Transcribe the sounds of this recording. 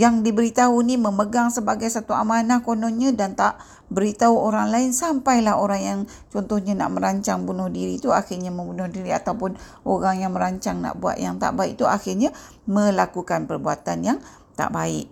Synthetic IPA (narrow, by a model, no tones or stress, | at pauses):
jaŋdibəɾit̪auniməməɡaŋsəbaɡajsat̪uamanakonɔnɲadant̪aʔ | bəɾit̪auoɾaŋlaɪnsampajlaɦoɾaŋjaŋ | t͡ʃɔnt̪ʊhɲana̰ʔmə̃ɾaɲt͡ʃaŋbunʊhdiɾit̪uaxɪrɲamə̃mbunʊhdiɾia̰t̪awpʊn | oɾaŋjaŋmə̃ɾaɲt͡ʃaŋna̰ʔbua̰t̪̚jaŋt̪a̰ʔbaɪʔt̪uʔaxɪrɲa | mə̃lakukanpərbuat̪anjaŋ | t̪a̰ʔbaɪ̰ʔ̚